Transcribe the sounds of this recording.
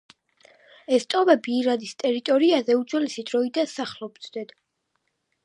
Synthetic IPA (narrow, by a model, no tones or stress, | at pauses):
ɛst̪ʼɔvɛbiːɾad̪ist̪ʼɛɾit̪ʼɔɾiazɛut͡ʃʼɛlisid̪ɾɔid̪ansaχlˠɔb̪d̪ɛd̪̥